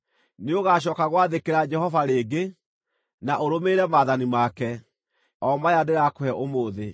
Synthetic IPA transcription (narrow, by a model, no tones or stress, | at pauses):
neoɣaːɕ̬ɔːkaɣwaðekeɾad͡ʒɛhɔvaɾeːɡe | naʔoɾomeɾɛmaðanimaːkɛ | ɔmajadeɾakoɛʔomoːðe